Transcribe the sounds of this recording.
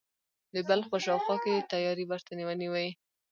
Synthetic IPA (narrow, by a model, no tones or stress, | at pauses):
d̪əbalxpəʃɑwxwɑket̪ajɑɾibaɾt̪aniwaniwai